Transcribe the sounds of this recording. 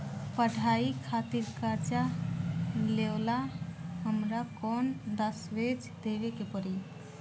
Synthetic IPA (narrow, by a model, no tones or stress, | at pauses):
pəɽʱaikʰat̪iɾkat͡ʃa | lewlaɦəmɾakɔnd̪əsʋed͡ʒd̪eʋekepəɾi